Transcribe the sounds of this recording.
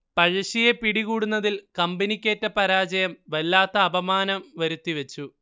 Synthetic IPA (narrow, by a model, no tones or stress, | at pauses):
pɐɻɐɕijepiɽiɣuːɽunːɐðilkɐmbinikʲːe̞ːtːɐpɐɾaːd͡ʑɐjɐmʋelːaːt̪ːɐːbɐmaːnɐmʋɐɾut̪ːiʋet͡ɕːu